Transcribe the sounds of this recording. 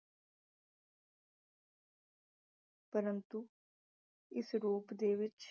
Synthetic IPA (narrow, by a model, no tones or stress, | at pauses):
pəɾə̃nt̪u | ɪsɾuːpd̪eːʋɪt͡ʃ